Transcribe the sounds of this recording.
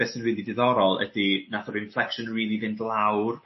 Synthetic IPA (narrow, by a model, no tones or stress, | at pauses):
ɛsənwiːdidɪðɔɾɔlˠə̰dinaθɔbɨnflˠɛkʃənriːlˠiðɪndlˠawr